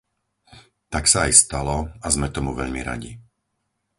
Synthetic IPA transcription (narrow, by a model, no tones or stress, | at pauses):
t̪aksaːjst̪alɔazmɛt̪ɔmuʋɛʎmḭɾa̰ɟḭ